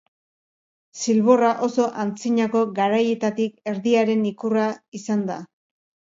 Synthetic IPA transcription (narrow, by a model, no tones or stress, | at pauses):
silβo̞raʔo̞so̞ʔant͡siɲako̞ɣaɾaje̞t̪at̪ike̞ɾðiaɾe̞nikuraisand̪a̰